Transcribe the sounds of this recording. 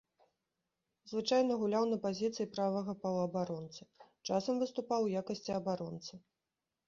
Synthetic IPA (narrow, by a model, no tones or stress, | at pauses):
zvɨt͡ʂajnɐɣulʲawnɐpazʲit̪sɨjipɾavɐɣɐpɐwɐbaɾɔnt̪sɨt͡ʂasɐmvɨst̪upawjakɐsʲt͡sʲiɐbaɾɔnt̪sɨ